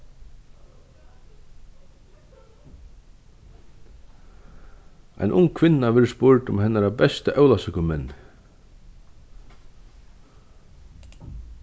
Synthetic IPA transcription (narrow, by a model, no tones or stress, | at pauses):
a̰jnʔʊ̰ŋkʰvɪnːaʋɛɾspʊɹt̪ʊmhɛnːaɾabɛst̪əʔœwlasɪkʊmɛnːɪ